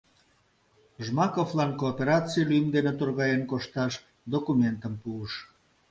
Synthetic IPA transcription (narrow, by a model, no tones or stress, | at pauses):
ʒmɑkoflɑnkoːpeɾɑt͡sijlyjəmd̪enet̪urɣɑjenkoʃt̪ɑʃ | d̪okumʲent̪əmpuəʃ